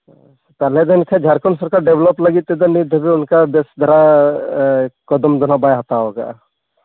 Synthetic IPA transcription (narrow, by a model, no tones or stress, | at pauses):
st̪aled̪ənkʰed͡ʒʱaɾkənsəɾkaɖeʋləpləɡit̪ed̪ənid̪ʱbʱiʊnkabesd̪ʱɐɾa | kɔd̪əmd̪ʊnabajɦɐt̪aɦoːɡa̰ː